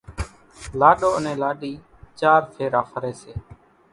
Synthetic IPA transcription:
laːɗoːənẽːlaːɗiː | t͡ʃaːɾpʰeːɾaːpʰəɾeːseː

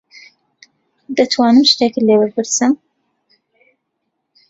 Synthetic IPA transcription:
d̪ɐt̪ʰwaːnɨmʃt̪ekɨlebɨɾpʰɨɾsɨm

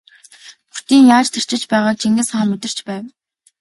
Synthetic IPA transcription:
pur̥t̪iːŋjaːt͡ɕt̪ʰe̥r̥t͡ɕɪ̆t͡ɕpæːʁaːk̚t͡ɕʰiŋɡɘ̆sχaːmmet̪ɪ̆r̥t͡ɕpæːw

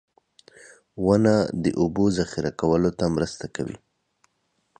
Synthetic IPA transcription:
wanad̪əʔubozaxɪɾakawəlot̪amɾəst̪akawḭ

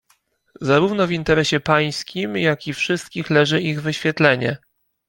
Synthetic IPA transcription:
zaɾuvnɔvint̪ɛɾɛɕɛpaj̃skʲimjakʲifʂɘst̪kʲixlɛʐɘiɣvɘɕfʲjɛt̪lɛɲɛ̰

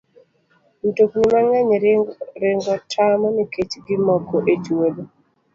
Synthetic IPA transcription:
n̩toknimaŋɛɲɾɪŋɡɔtʰamɔniket͡ʃɡɪmɔkoʔet͡ʃwolo

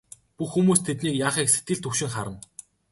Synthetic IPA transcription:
puxːumuːst̪ʰet̪niːkjaːχiːkset̪ɡɘ̆ɮt̪ʰɵkʃɪ̆ŋχaɾə̆n

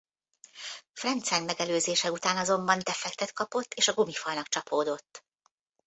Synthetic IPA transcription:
frɛnt̪sɛnmɛɡɛløːzeːʃɛut̪aːnɒzo̞mbɒnt̪ɛfɛk̚t̪ɛt̪kɒpo̞t̪ːeːʃɒɡomifɒlnɒkt͡ʃɒpʰoːd̪o̞t̪ː

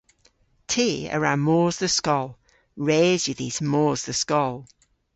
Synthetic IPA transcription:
tʰiːə̰ɹamɔːzðəskɔlˠ | ɹeːzjəðiːz̥mɔːzðəskɔlˠ

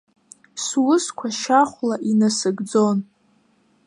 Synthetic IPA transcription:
swʊskʷʰaʃaχʷlaʔinasɨɡd͡zo̞n

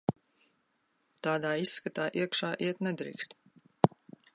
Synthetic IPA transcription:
t̪aːd̪aːisːkat̪aːʔiɛkʃaːʔiɛt̪nɛd̪ɾḭːkst̪

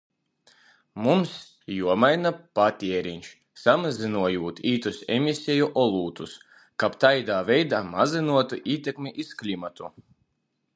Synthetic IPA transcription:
mums | juɔmajnapat̪ʲiɛɾinʲʃ | samazinuɔjuːt̪iːt̪usɛ̰mʲisʲɛjuʔɔlˠuːt̪us | kapt̪ajd̪aːvʲɛjd̪aːmazinuɔt̪uʔiːt̪ʲekmʲiʔisklʲimat̪u

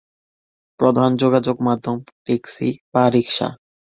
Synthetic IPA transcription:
pɾod̪ʱand͡ʑoɡad͡ʑoɡmad̪ʱːomʈeksḭbaɾikʃa̰

